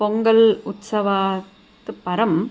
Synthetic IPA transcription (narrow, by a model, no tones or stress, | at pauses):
pɔŋɡɐlʊt̪sɐʋaː | t̪ɯpɐɾɐm